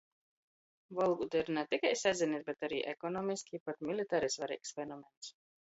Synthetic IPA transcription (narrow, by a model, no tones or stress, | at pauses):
vɔlˠɡud̪iɾnɛt̪ikajsazʲinit̪bɛt̪aɾiːʔɛkɔnɔːmiskʲipat̪mʲilit̪aɾisvaɾḭːksfɛnɔmɛnt̪s